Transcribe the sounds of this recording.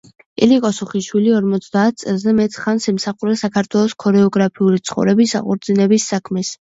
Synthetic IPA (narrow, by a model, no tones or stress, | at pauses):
ɛlikʼɔsuχiʃwiliɔɾmɔt̪sʰd̪aːt̪̚ʰt̪sʼɛlˠzɛmɛt̪ʰχansɛmsaχuɾɛsakʰaɾt̪ʰwɛlˠɔskʰɔɾɛɔɡɾapʰiulit̪sʰχɔ̰vɾɛbisa̰qʼṵɾd̪zinɛbisːakʰmɛs